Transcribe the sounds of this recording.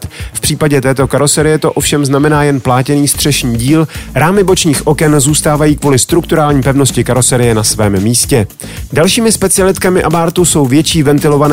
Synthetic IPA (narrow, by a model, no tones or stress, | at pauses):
t̪fpr̥iːpaɟɛt̪ɛːt̪o̞kaɾo̞sɛɾɪjɛt̪o̞ʔo̞fʃɛmznamɛnaːjɛnplaːcɛniːst̪r̝̥ɛʃɲiːɟiːlɾaːmɪbo̞t͡ʃɲiːxʔo̞kɛnzuːst̪aːvajiːkvuːlɪst̪ɾuk̚t̪uɾaːlɲiːpɛvno̞scɪkaɾo̞sɛɾɪjɛnasvɛːmːiːscɛ | dalʃiːmɪspɛt͡sɪalɪt̪kamɪʔabaːɾt̪uso̞wvjɛt͡ʃiːvɛnt̪ɪlo̞van